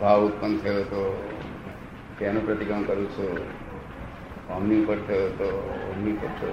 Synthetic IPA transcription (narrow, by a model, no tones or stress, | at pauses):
bʱaʋut̪pənt̪ʰəjot̪o | t̪janũpɾət̪iɡəmkəɾũt͡ʃʰo | əmniupəɾt̪ʰəjot̪oə̰mnipə̰ɾt͡ʃʰo̰